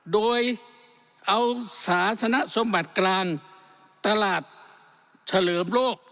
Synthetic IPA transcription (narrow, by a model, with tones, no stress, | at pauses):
doː˧j | ʔa˧wsaː˩˦t͡ɕʰa˧na˦˥ʔso˧˦mba˨˩t̪̚klaː˧ŋ | t̪a˧laː˨˩t̪̚ | t͡ɕʰa˧lɤː˩˦mloː˥˩k̚